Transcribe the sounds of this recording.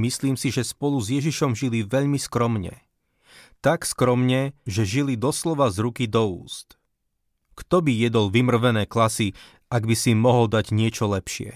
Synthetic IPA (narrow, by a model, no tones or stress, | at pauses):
misliːmsiʒɛspɔluzjɛʒiʃɔmʒiliʋɛʎmiskɾɔmɲɛ̰ | t̪akskɾɔmɲɛʒɛʒilid̪ɔslɔʋazɾukid̪ɔṵːst̪ | kt̪ɔbijɛd̪ɔlʋimr̩ʋɛnɛːklasi | aɡbisimɔɦɔld̪aɟɲɪɛt͡ʃɔlɛpʃɪɛ̰